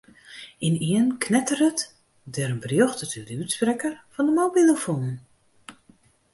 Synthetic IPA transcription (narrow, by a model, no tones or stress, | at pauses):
iniənkʰnɛtərət | dɛɾənbərjoxtətydəytsprɛkərfɔndəmowbilˠəfonən